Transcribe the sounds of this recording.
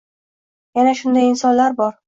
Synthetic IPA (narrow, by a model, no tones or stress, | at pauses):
janaʃʊnd̪ajɪnsɒnlaɾbɒɾ